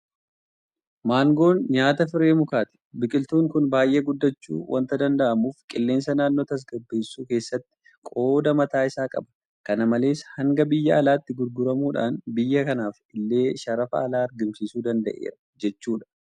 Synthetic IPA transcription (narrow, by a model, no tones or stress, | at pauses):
maːŋɡo̞ːnɲaːt̪ɐfɪɾe̞ːmʊkaːt̪ɪ̥bɪkʼɪlt̪uːŋkʊnbaːjʔe̞ːɡʊd̪ːɐt͡ʃːṵːwʔɐ̰nt̪ɐd̪ɐnd̪ɐʔɐmuːfkʼɪlːe̞ːnsɐnaːnːoːt̪ɐs̬ɡɐbːe̞ːsːuːke̞ːsːɐt̪ːɪ̥ | kʼo̞ːd̪ɐmɐt̪aːɪsaːkʼɐ̰bɐ̥ | kɐnɐmɐle̞ːshɐŋɡɐbɪjːɐɐlaːt̪ːɪɡʊɾɡʊɾɐmuːᶑa̰ːnbɪjːɐkɐnaːf | ɪlːe̞ːʃɐɾɐfɐ̰ːlaːɐɾɡɪmsisuːd̪ɐnd̪ɐ̰ʔḛːɾɐ | d͡ʒɛt͡ʃːuːᶑɐ̥